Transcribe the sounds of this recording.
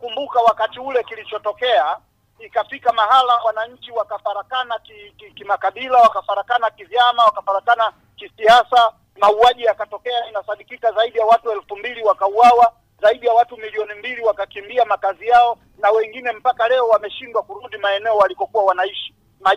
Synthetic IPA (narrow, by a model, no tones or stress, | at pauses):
kumbukawakatiulɛkilit͡ʃɔtɔkɛa | ikafikamaɦalawanaɲ̩t͡ʃiwakafaɾakanakikikimakaɓilawakafaɾakanakivjamawakafaɾakana | kisiasa | mauaʄijakatɔkɛainasaɗikikazaiɗijawatuɛlfumbiliwakauawa | zaiɗijawatumiliɔnimbiliwakakimbiamakazijaɔ | nawɛŋɡinɛm̩pakalɛɔwamɛʃindwakuɾuɗimaɛnɛɔwalikɔkuwawanaiʃi̥ | ma